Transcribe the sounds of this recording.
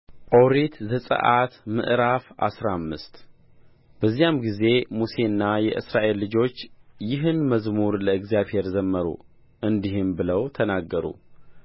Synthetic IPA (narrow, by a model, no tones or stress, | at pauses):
ʔoɾit̪zəsʼə̰ʔat̪mɨ̰ʔɾafʔa̰sɾamːɨst̪ | b̥əzːijamɡize̞muse̞ɨnːajɛ̰ʔɨ̰sɾaʔe̞lːɨd͡ʒo̞t͡ʃːjɪɦɨnməzmuɾləɨɡzijaβhe̞ɾzəmːəɾṵ | ʔɨnd̪iɦɨmbɨləwt̪ʰənaɡːəɾṵ